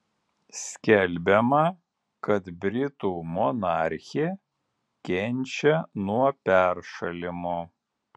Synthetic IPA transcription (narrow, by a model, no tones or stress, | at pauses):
sʲkʲɛlʲbʲɛmɐ | kɐt̪bʲɾʲɪt̪uːmɔnɑːɾʲxʲe | kʲɛnʲˑt͡ʃʲɛnuɔpʲæɾʃɐlʲɪmʊ